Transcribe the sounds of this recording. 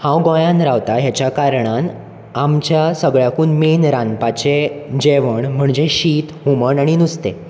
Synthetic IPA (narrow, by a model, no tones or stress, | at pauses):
hãwɡɔ̃jãnɾaʋt̪aɦjat͡ɕjakaɾɳan | amt͡ɕjasəɡɭjakuːnmenɾanpat͡ɕed͡ʑeʋəɳm̤əɳd͡zeɕiːt̪ɦuməɳaɽ̃inust̪e